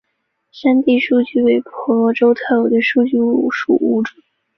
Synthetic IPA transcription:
ʂa˥nt̪i˥˧ʂu˥˧t͡ɕy˥˩we˧˥ɪpʰɔ˧˥lwɔ˧˥ʈ͡ʂo˥ʊt̪ʰa˥˩jo˨˩d̪ə˧ʂu˥˧t͡ɕy˥˧u˥˧˩ʂṵ˥˩u˥˩ʈ͡ʂu˨˩

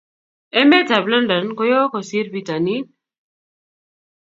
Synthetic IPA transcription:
ɛ˦mɛ˦ta˨bla˦nda˨nkɔ˦jɔ˦kɔ˨si˦ɾbi˨ta˨ni˦n

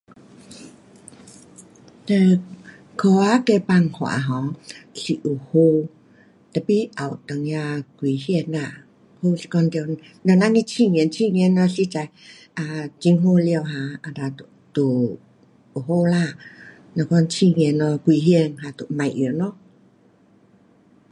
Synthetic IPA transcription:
t̪ɛ˧ | kʰɔ˧˦a˧˦kɛ˧pa˧˨ŋhwa̰˨ɦɔ˨˦si˧ʔu˨˩ho˧ | t̪a˧˩pi˧˥ʔa˨˩wt̪ə˨ŋja˧kwi˨˦hi˧ə˨na˧˨ | ho˧˨skɔ˧ndɛ˧˨ | lɛ˧˨na˧˥ɲĩ˧t͡ɕʰi˧˨ŋi˧˨˦nt͡ɕʰi˧˨ŋi˧˦˨nːɔ˧si˧t͡sa˨j | ʔa˧t͡ɕi˧ŋɦo˧˨li˧ə˧wɦã˨˧a˨˧˨da˨t̪u˨˩ | u˨˩ɦo˧˨la˧˨ | na˧˨kɔ˧˨nt͡ɕʰi˧˨ŋi˧˨˦nːɔ˧kwi˧˦ɦi˧nɦa˨˧t̪u˧˨mã˨jʔi˨˦nɔ˧˦

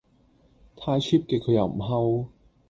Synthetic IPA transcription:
t̪ʰaː˥jt͡ɕʰiː˥p̚keː˧˥kʰɤː˨˧ja̰˨˧˩wm̩˨˩ɦa˥w

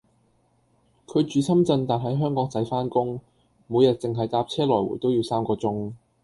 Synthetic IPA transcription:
kʰɵ˨˧ɥt͡ʃyː˨˧sɐ˥mt͡sɐ˧nt̪aː˨t̚ɦɐ˨˥jɦœː˥ŋkɔː˨˥ŋt͡sɐ˨˥jfaː˥nkʊ˥ŋ | mu˨˧jɐ˨˩t̚t͡sɪ˨ŋɦɐ˨˩jt̪aː˧p̚t͡sʰɛː˥lɔː˨˩jwṵː˨˩jt̪o˥wji˨˧wsaː˥mkɔː˧t͡sʊ˥ŋ

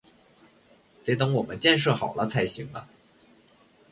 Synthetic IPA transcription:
t̪e˧˥ɪt̪ɤ˧˥ŋwɔ˨˩mə˦nt͡ɕjɛ˥˧nʂ̬ɤ˥˩xɑ˨˩ʊlə˦t͡sʰa˧˥ɪɕi˧˥ŋlə˧

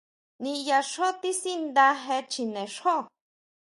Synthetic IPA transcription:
nĩ˧ja˧ʂo˦t̪i˦si˦nd̪a˧ɦe˧t͡ʃʰi˧nẽ˨ʂo˦

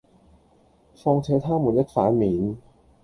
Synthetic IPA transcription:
fɔː˧ŋt͡ɕʰeː˧˥t̪ʰaː˥˩mːuː˨˩˦nja˦˥t̪̚faː˨˥miː˩˦n

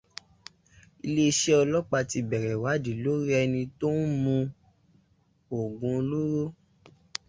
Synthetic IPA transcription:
i˧le˦i˧ʃe˦ɔ˧lɔ˦k͡pa˧ti˧bɛ˨ɾɛ˨wa˨˦di˨lo˦ɾi˦ɛ˧nĩ˧to˦n̩˦mũ˧ | o˨ɡũ˨˧o˧lu˦ɾo˦

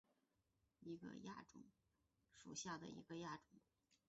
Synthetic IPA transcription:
i˧˥ɡə̰˧ja˥˩ʈ͡ʂʊ̰˨˩ŋ | ʂu˨˩ɕja˥˩d̪ə̰˩ḭ˧˥ɡə˧ja˥˩ʈ͡ʂʊ˨˩˦ŋ

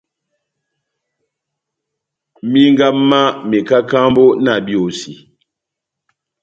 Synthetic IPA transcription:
mi˦ŋ˦ɡa˦ma˦mi˨ka˦ka˦mbo˦na˨bi˦˨o˨si˨

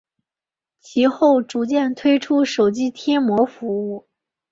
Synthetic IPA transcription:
t͡ɕʰi˧˥xo˥˩ʊʈ͡ʂu˧˥t͡ɕjɛ˥˩nt̪ʰwe˥ɪʈ͡ʂʰu˥ʂo˨˩ʊt͡ɕi˥t̪ʰjɛ˥nmwɔ˧˥fu˧˥u˥˩

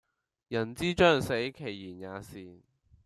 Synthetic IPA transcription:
jɐ˨˩nt͡siː˥t͡ʃœː˥ŋse˨˥jkʰe˨˩jːiː˨˩njaː˨˧siː˨˩

